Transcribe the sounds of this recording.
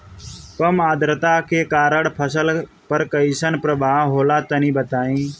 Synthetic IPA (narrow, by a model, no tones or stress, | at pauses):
kəmaːd̪ɾət̪aːkʰeːkaːɾəɽpʰəsəl | pəɾkəisənpɾəbʱaːɦoːlaːt̪ənĩːbət̪aːĩː